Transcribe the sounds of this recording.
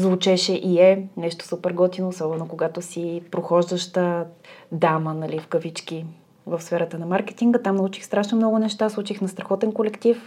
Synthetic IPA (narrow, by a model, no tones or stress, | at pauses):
zvʊt͡ʃɛʃɛʔiɛnɛʃt̪o̥supɛɾɡɔt̪inoːsɔbɛnokoɡat̪osipɾoxɔʒd̪əʃt̪əd̪amənɐlifkəvit͡ʃk̟i | vəfsfɛɾət̪ənɐmaɾkɛ̥t̪iŋɡət̪amnɐut͡ʃi̥xst̪ɾaʃnomnɔɡʊnɛʃt̪aslˠut͡ʃixnɐst̪ɾɐxɔt̪ɛnkolɛkt̪if